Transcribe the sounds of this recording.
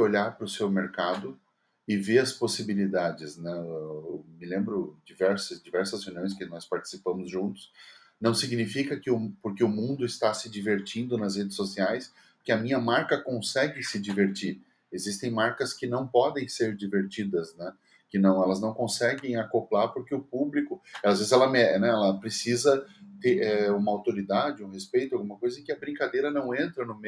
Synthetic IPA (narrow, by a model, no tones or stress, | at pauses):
oʎaɾpɾʊsewmeɾkad̪ʊ | ɪveɐsposibilid̪ad͡ʒɪznɛ | mɪlẽmbɾʊd͡ʒivɛɾsʊzd͡ʒivɛɾsɐzhewnjõj̃s̬kɪnɔspaɾt͡ʃi̥si̥pɐ̃mʊzʒũnt̪ʊ̥s | nɐ̃w̃siɡnifikɐkɪʊpoɾkɪʊmũnd̪ʊɪst̪asɪd͡ʒiveɾt͡ʃĩnd̪ʊnɐzhed͡ʒɪsːosiajs | kɪɐmĩɲɐmaɾkɐkõsɛɡɪsɪd͡ʒiveɾt͡ʃiɾ | ezist̪ẽj̃maɾkɐskɪnɐ̃w̃pɔd̪ẽj̃seɾd͡ʒiveɾt͡ʃid̪ɐznɛ | kɪnɐ̃w̃ɛlɐznɐ̃w̃kõsɛɡẽj̃akoplaɾpoɾkeʊpublikʊazvezɪzɛlɐmɛnɛɛlɐpɾesizɐt̪eɾɛũmɐawt̪oɾid̪ad͡ʒɪũhespejt̪ʊawɡũmɐkojzɐẽkɪɐbɾĩŋkad̪ejɾɐnɐ̃w̃ẽnt̪ɾɐnʊme